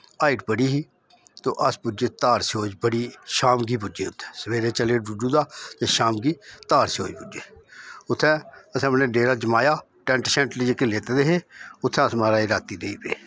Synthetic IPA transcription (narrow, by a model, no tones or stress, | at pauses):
aːɪʈpəɽiːɦiː | t̪o̰ːʔəspʊd͡ʒeːt̪aːɾsoːd͡ʒbəɽiːʃaːmɡiːpʊd͡ʒḛːʊt̪ʰːɛ̥̃ːsəʋeːɾeːt͡ʃəleːɖʊɖũːd̪aːt̪eːʃaːmɡiːt̪aːɾso̰ːd͡ʒbʊd͡ʒeːʊt̪ʰːɛ̃ːəsəmnẽːɖeːɾaːd͡ʒəmaːjaː | ʈɛ̃ːɳʈsɛ̃ːɳʈlːd͡ʒeːkɪleːt̪eːd̪eːɦeːʊt̪ʰːɛ̃ːəsmaːɾaːiːɾaːt̪iːd̪eiːpḛː